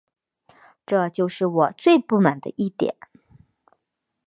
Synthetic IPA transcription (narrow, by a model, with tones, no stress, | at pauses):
ʈ͡ʂɤ˥˧t͡ɕjo˥˧ʊʂɻ̩˥˩wɔ˨˩t͡swe˥˧ɪpu˥˩ma˨˩nd̪ə̰˧ʔi˥˩t̪jɛ̰˨˩˦n